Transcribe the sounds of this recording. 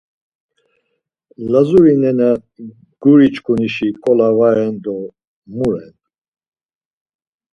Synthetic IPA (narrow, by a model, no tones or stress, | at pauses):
lazuɾinɛna | ɡ̥uɾit͡ʃkʰʼuniʃikʼɔlavaɛnd̪ɔ | muɾɛn